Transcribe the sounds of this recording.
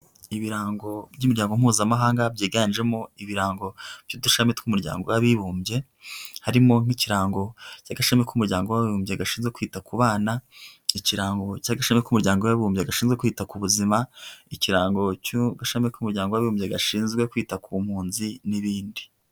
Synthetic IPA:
iβiɾaːŋɡo̞bjumiɾɟaːŋɡo̞m̥uːzamaɦaːŋɡabɟiːɡanʒe̞mo̞iβiɾaːŋɡo̞b̥juduʃametkumuɾɟa̰ːŋɡowaβiβuːmbje̞ | haɾimo̞ŋ̥iciɾaːŋɡo̞caɡaʃamekumuɾɟaːŋɡo̞waβiβuːmbjeɡaʃiːnzɡwekwiːtakuβaːnaiciɾaːŋɡo̞caɡaʃemekumuɾɟaːŋɡowaβiβuːmjeɡaʃiːnzɡwe̞kwiːtakuβuzimaiciɾaːŋɡo̞cuɡaʃamekumuɾɟaːŋɡowaβiβuːmjeɡaʃiːnzɡwe̞kwiːtakʰumhuːnziniβiːndi̥

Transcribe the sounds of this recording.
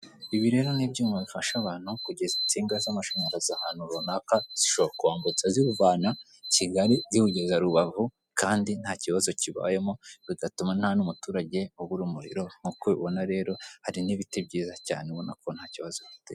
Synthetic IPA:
iβiɾe̞ːɾo̞nibɟuːmaβifaʃaβaːn̥hukuɟe̞zit͡siːŋɡazamaʃaɲaɾazahaːnhuɾonaːkaz̥iʃo̞βoɾakuβaːmbut͡saziuvaːna | ciɡaɾizikuɟe̞zaɾuβavu | kaːndin̥haːciβazo̞ciβa̰ːje̞mo̞βiɡatuman̥hanumutuːɾaɟe̞oβuɾuːmuɾḭɾo̞ŋukoβiβo̞naɾe̞ːɾo̞haɾiniβitebɟiːzaca̰ːneβo̞na̰kʰon̥haːciβazo̞fi̥te

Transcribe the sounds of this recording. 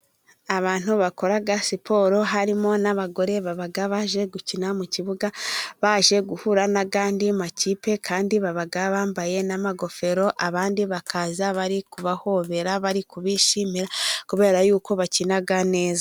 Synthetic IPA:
aβaːn̥huβako̞ɾaɡasipʰo̞ːɾo̞ɦaɾimo̞naβaɡo̞ɾe̞βaβaɡaβaʒe̞ɡucinamuciβuɡaβaːʒe̞ɡuhuɾanaɡaːndimaciːpe̞kʰaːndiβaβaɡaβaːmbaje̞namaɡo̞fe̞ɾo̞ʔaβaːndiβakʰazaβaɾikuβaho̞βe̞ɾaβaɾikuβiʃimiɾakuβe̞ːɾajuːko̞βacinaɡane̞ːza

